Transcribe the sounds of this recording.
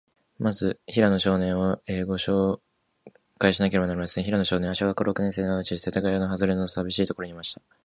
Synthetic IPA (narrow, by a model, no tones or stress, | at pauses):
mazɨçiɾano̞ɕo̞ːnẽ̞ɰ̃βaeːɡo̞ɕo̞ː | kaiɕinak̬e̞ɾe̞banaɾʲimasɨ̥ẽçiɾano̞ɕo̞ːnẽaɕoɡakoɾo̞kɯ̟nẽ̞se̞ːnaɯt͡ɕi̥set̪aɡaionoɦazɨɾe̞nosabʲiɕiːt̪o̞ko̞ɾo̞ɲ̟imaɕi̥t̪ḁ